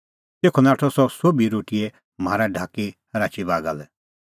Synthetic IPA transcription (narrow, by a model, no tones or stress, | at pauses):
t̪eːkʰɔnaːʈʰɔsɔsobiɾoːʈiɛ | maːɾaɖʱaːkihɐɾaːt͡ʃibaːɡa̰lɛ